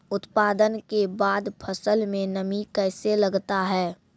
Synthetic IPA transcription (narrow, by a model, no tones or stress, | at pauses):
ʊt̪paːd̪ənkebaːd̪pʰəsəlmẽnɐmikɛːselɐɡt̪aɦɛː